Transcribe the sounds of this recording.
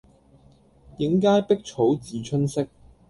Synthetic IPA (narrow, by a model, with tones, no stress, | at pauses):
jɪ˨˥ŋk̬aː˥jpɪ˥k̚t͡ʃʰo˨˥wt͡siː˨˥t͡ʃʰɵ˥nsɪ˥k̚